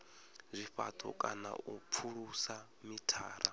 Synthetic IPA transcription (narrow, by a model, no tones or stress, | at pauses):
zʷiɸat̪ʰɔ̰kʼana̰up̪fʰuɺusa | mitʰaːɾa